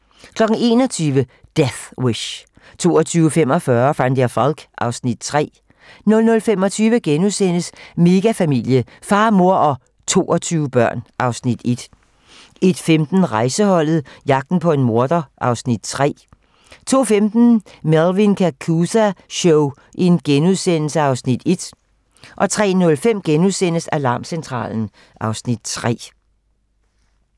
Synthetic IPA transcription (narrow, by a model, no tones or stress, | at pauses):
kʰlɒ̽ɡ̥n̩e̝ːnɒ̽t͡sʰyːʋəd̥eθweɕ | t͡sʰo̝̰ːɒt͡sʰyːʊfem̰ɒ̽fɶɐfæn̰d̥jɑfɒlɡ̥ʔɑ̈ʊsnid̥̚t͡sʰʁɛ̰ː | nɔ̽lnɔ̽lfemɒ̽t͡sʰyːʋəɡ̥enusen̰əsme̝ɡ̥æfæmil̰jə | fɑ̈ːmo̝ɐ̰ʔɒ̽ | t͡sʰo̝̰ːɒt͡sʰyːʊəb̥ɶɐ̰nʔɑ̈ʊsnid̥e̝d̥ | e̝d̥femd̥n̩ʁɑ̈ɪsəhɒ̽l̰ð̩ˠjɑ̈ɡ̥̚d̥n̩pʰɒ̽e̝nmo̝ɐd̥ɐʔɑ̈ʊsnid̥̚t͡sʰʁɛ̰ː | t͡sʰo̝̰ːfemd̥n̩ | melʋinkʰækʰusæɕɔʊ | ʔenɡ̥enuðˠsen̰l̩səɑ̈ʊsnid̥e̝d̥ | ʔɒ̽t͡sʰʁɛ̰ːnɔ̽lfem̰ɡ̥enuðˠsen̰əsælɑ̈ːmsent͡sʰʁɑ̰̈ːln̩ | ʔɑ̈ʊsnid̥̚t͡sʰʁɛ̰ː